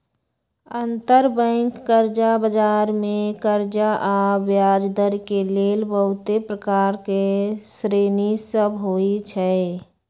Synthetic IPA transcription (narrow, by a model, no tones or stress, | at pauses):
ənt̪əɾbə̃ɪŋkːəɾd͡ʒabəd͡ʒaːɾmẽkəɾd͡ʒaʔabjaːd͡ʒd̪əɾkeleːlbəɦʊt̪epɾəkaːɾkesɾeːnisəbɦoːit͡ʃʰɛ